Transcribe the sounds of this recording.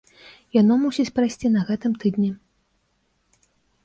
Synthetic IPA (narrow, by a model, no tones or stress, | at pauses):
janɔmusʲit͡sʲpɾajsʲt͡sʲinɐɣɛt̪ɨmt̪ɨd̪nʲɛ